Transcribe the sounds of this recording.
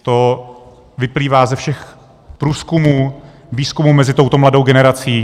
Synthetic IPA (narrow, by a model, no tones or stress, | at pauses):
t̪o̞ | vɪpliːvaːzɛfʃɛx | pɾuːskumuː | viːskumuːmɛzɪt̪o̞wt̪o̞mlado̞wɡɛnɛɾat͡siː